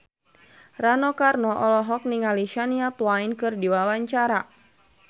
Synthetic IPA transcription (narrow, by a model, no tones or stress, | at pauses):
ranɔkarnɔʔɔlɔɦɔk̚niŋaliʃaniat̪wainkɨrdiwawaɲt͡ʃaɾa